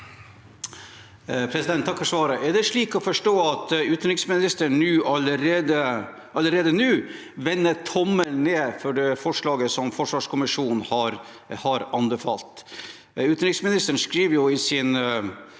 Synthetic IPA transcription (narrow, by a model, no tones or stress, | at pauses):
pʰɾɛsɪd̪ɛnt̪ʰːɑkːfɔʂʋɑːɾəʔɛɖɛʂɭiːkɔfɔʂʈoːɑt̪ʉːt̪ənɾɪksmɪnɪst̪əɳnʉːʔɑləɾeːd̪ə | ʔɑlːəɾeːd̪ənʉː | ʋɛnːət̪ʰɔmːəlneːfɔɖɛfɔʂɭɑːɡəsɔmfɔʂʋɑːʂkʰʊmɪʂuːnhɑɾ | hɑɾɑnbəfɑ̰lt̪ | ʉːt̪nɾɪksmɪnɪst̪əɳ̩ʂkɾiːʋəɾjʊɪsɪn